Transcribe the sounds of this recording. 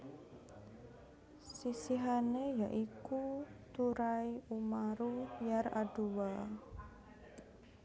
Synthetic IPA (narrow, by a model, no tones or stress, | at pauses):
sisiɦanejaʔikut̪uɾaiumaɾujaraɖ̥uwa